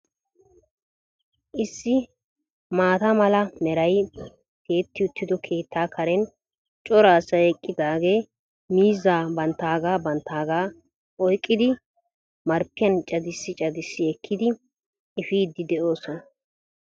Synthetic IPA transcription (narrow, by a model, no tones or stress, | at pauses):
ʔɪsːɪ | maːt̪ɐmɐlɐmɛɾɐj | ke̞ːt̪ːɪʊt̪ʰːɪd̪ɔkʰe̞ːt̪ːaːkʰɐɾɛn | t͡ʃʼɔɾaːsɐɛkʼːɪd̪aːɡeː | miːzːaːbɐnt̪ːaːɡaːbɐnt̪ːaːɡaː | ʔɔjkʼːɪd̪ɪ | mɐɾpːɪjɐnt͡ʃʼɐd̪ɪsːɪt͡ʃʼɐd̪ɪsːɪɛkʰːɪd̪ɪ | ɪfiːd̪ːɪd̪ɛʔo̞ːsɔnɐ